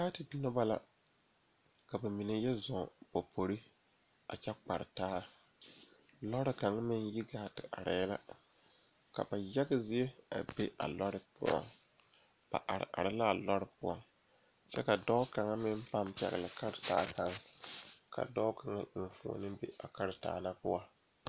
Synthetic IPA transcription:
ka˦tɪ˨˦nɔ˦ba˦la̰˨ | ka˨ba˨mi˨ne˦jɛ˦zɔ˨po˨pʰo˨ɾi˦ | a̰˨t͡ʃɛ˦k͡pa˨ɾɪ˨taː˦ | lɔ˦ɾɪ˦ka˨ŋa˦mɪ˦nji˦ɡaː˦tɪ˨ʔa˨ɾa˨ja˦la̰˦ | ka̰˨ba˨ja˦ɡɪ˦zɪ˦e˦a̰˨be˦ʔa̰˨lɔ˦ɾɪ˦pʊ˦ɔ̰˨ŋ | b̥a̰˨ʔa˨ɾɪ̰˨ʔa̰˨ɾa˦la˦˨lɔ˦ɾɪ˦pʊ˦ɔ˨ŋ | t͡ʃɛ˦ka˨dɔ˦ʊ˦ka˨ŋa˦mɪ˦m˦pa˦mpɛ̰˨ɣɪ̰˨la˨ka˦ɾɪ˨taː˦ka˨ŋ | ka̰˨dɔ˦ka˨ŋa˦ʔi˨n˨fṵ˨ɔ̰˨nɨ˦bḛ˦ʔa̰˨ka˦ɾɪ˨ta̰ː˨na˦pʊ˦a˦

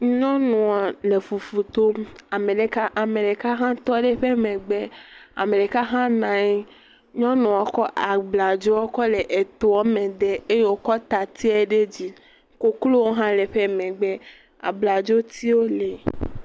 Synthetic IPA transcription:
ɲɔ̃˦nũ˨ɔ˨le˨fu˨fu˨t̪o˦ma˨mẽ˨ɖe˨ka˦ʔa˨mẽ˨ɖe˨ka˦ɦã˦t̪ɔ˦ɖe˦ɸe˦mẽ˨ɡ͡be˦a̰˨mẽ˨ɖe˨ka˦ɦã˦nã˨ɲe˦ | ɲɔ̃˦nũ˨ɔ˨kɔ˦ʔa˨ɡ͡bla˨d͡ʒo˦wɔ˦kɔ˦le˨ʔe˨t̪o˨ɔ˦mẽ˨d̪e˦e˦je˦wo˨kɔ˦t̪a˨t̪i˦ɛ˦ɖe˦d͡ʑi˦ | ko˦klo˦wo˦ɦã˦le˨ɸe˦mẽ˨ɡ͡bɛ˦ | a̰˨bla˨d͡ʒo˦t̪i˦wo˦le˨

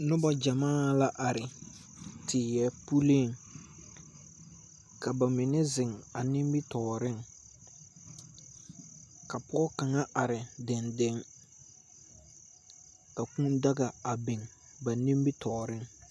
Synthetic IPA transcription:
nʊ˦ba˦d͡ʒa˨maː˦la˦ʔa˨ɾɪ˨ | tʰɪː˨jɛ˦pu˦li˦˨ŋ | ka˨ba˨mɪ˨nɛ˦zɪ˨ŋa˨ni˦mbi˦tɔː˨ɾɪ˦ŋ | ka˨pɔ˦ka˨ŋa˦ʔa˨ɾɪ˨dɪ˨nde˦ŋ | ka˨kũ˦nda˦ɡa˨a˨bɪ˨ŋ | ba˨ni˦mbi˦tʰɔː˨ɾɪ˦ŋ

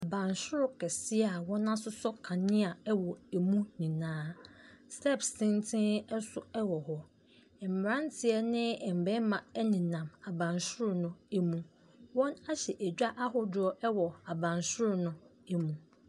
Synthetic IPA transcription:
a˨bã˨nsʊ˦ɾʊ˦kʰɛ˨sɪ˦a˨wɔ̃˦nã˦sʊ˦sɔ˦kʰã˨nɪ̃˦a˨ɛ˦wɔ˨e˨mũ˦nĩ˨nãː˦stɛ˦˨psɪ̃˦ntʰɪ̃˦nɛ˦sʊ˨ɛ˦wɔ˨hɔ˦ | ɛ˨m̩˨mɾã˦n˦tʰɪ˦ɛ˦nɪ̃˦˨m̩˨bɛ˦mã˨ɛ˦nɪ̃˨nã˨ma˨bã˨nsʊ˦ɾʊ˨nʊ̃˦æ˦mũ˦ | wɔ̃˦na˦ɕɛ˨ʔæ˨d͡ʑᶣa˦ʔa˦ɦɔ˨dʊ˨˦ɔ˦ɛ˦wɔ˨a˨bã˨nsʊ˦ɾʊ˨nʊ̃˦ | ɛ˦mũ˨

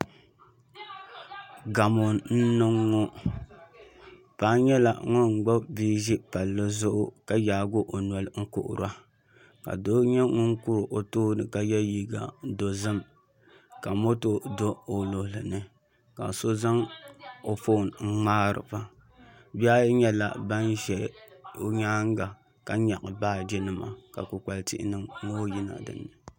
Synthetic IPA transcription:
ɡa˨mo˨nn̩˦nɨ˦ŋːɔ˦ | paː˦ɲɛ˦la̰˨ŋɔ˦ŋ͡m̩˨ɡ͡ba˦biː˦ʒi˦pa˨lːɨ˦zʊ˦ʔʊ˦ka˨jaː˨ɡʊ˦ʔo˨n˨ɔ˨lŋ̩˦kʊ̰˨ʔʊ̰˨ɾa˦ | ka̰˨do˦ɲɛ˦ŋʊ˦ŋku˦ɾʔo˨toː˦nɨ˨ka˨jɛ˦jiː˦ɡa̰˨˦do˨zɨ˦m | ka˨mo˦to˦do˦o˨lo˨hlɨ˨nɨ˦ | ka̰˨so˦za˦ŋo˨fo˦˨nŋ̩˦ŋ͡maː˦ɾɨ̰˨ba˦ | bi˦a˦ɲɛ˦la̰˨ba˦nʒɛ˨o˦ɲaː˦ŋ˦ɡa˨ | ka˦ɲa˨ʔɨ˨baː˦˨d͡ʒɛ˦nɨ˦ma̰˨ka˨ku˨k͡pa˨ltɪ̰˦ʔɪ̰˦nɨ˦mŋo˦ji˦na̰˨dɨ̰˨nːɨ˨

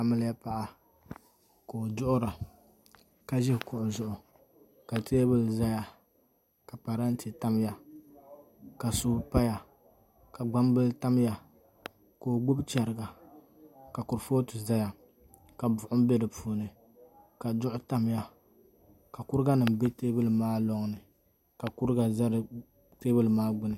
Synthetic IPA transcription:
a˨mɨ˦lja˦pa˦˨ʔa˨ | ko˨dʊ˦ʔʊ˦ɾa˨ | ka˨ʒɪ˦hkʊ˨ʔʊ˨zʊ˨ʔʊ˨ | ka˨ti˦a˦bɨ˦lza˦ja˦ | ka˨pa˨ɾa˦n˦ti˨ta˦m˦ja˨ | ka˨suː˦pa˦ja˨ | ka˨ɡ͡ba˦m˦bɨ˦lta˦m˦ja˨ | ko˨ɡ͡bʊ˦bt͡ʃɛ˨ɾɨ˨ɡa˨ | ka˨ku˨ɾfo˦tɨ˨za˦ja˨ | ka˨bʊ˨ʔʊ˦m˦be˦dɨ˨puː˨nɨ˨ | ka˨dʊ˦ʔʊ˦ta˦m˦ja˨ | ka˨kʊ˦ɾɨ˦ɡa˦nɨ˨m̩˨be˦teː˦bɨ˦lɨ˨maː˦lɔ˦ŋ˨nɨ˨ | ka˨ku˦ɾɡa˨za˦ɾ | teː˦bɨ˦lmaː˦ɡ͡bʊ˦nɨ˨

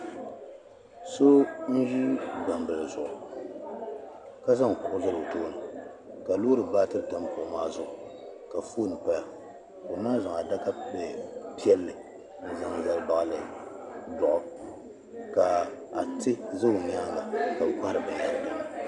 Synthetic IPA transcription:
so˦n̩˦ʒi˦ba˨mbɨ˨lzʊ˨ʔʊ˨ | ka˦za˦ŋ˨kʊ˨ʔʊ˦zɨ˦lɨ˨toː˦nɨ˨ | ka˨lo˦ɾɨ˨ba˦tɨ˦ɾta˦m˦pʊ˨ʔʊ˨˦maː˦zʊ˨ʔʊ˨ | ka˨foː˦˨nɨ˨pa˦l | ko˨naː˦za˨ŋa˨da˦ka˦be˨pi˦ɛ˦lːɨ˨ | n̩˦za˨ŋ˦za˦˨lba˨ʔlɨ˨dʊ˨ʔʊ˦ | ka˨a̰˨tɨ˦za˦˨ɲ˦a˦ŋla˨ka˨kʷa˦ɾɨ˨ba˨a˨lda˨m˨

